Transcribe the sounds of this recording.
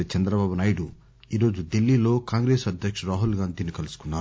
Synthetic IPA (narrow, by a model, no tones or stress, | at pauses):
t͡ʃɛnd̪ɾɐbaːbunaːjɽu | iːɾo̞ːd͡ʒud̪ilːiːlo̞ːkaːŋɡɾe̞ːsɐd̪ʱjɐkʂɐɾaːɦulɡaːnd̪ʱiːnikɐlusu̥kunːaː